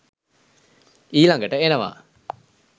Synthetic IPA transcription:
iːlaŋɡəʈəenəʋa̰ː

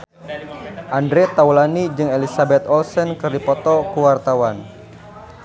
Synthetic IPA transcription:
ʔandɾet̪aulanid͡ʒɨŋelisabɛt̪ɔlsɛnkɨrdipɔt̪ɔkuwart̪awan

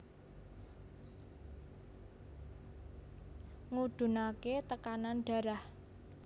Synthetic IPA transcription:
ŋud̪̥ṳnaket̪əkananɖ̥ä̤ɾah

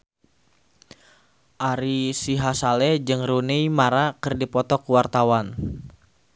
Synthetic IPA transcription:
ʔaɾisiɦasalɛd͡ʒɨŋrunejmaɾakɨrdipɔt̪ɔkuwart̪awan

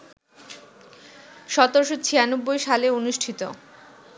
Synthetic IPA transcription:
ʃɔt̪oɾʃot͡ɕʰianobːojʃaleonuʃʈʰit̪o

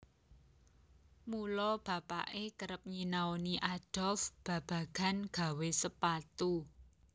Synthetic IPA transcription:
mulɔb̥ä̤pa̰ʔekəɾəp̚ɲinaoniʔad̥ɔ̤lfb̥ä̤b̥ä̤ɡ̥a̤nɡ̥a̤wesəpat̪u

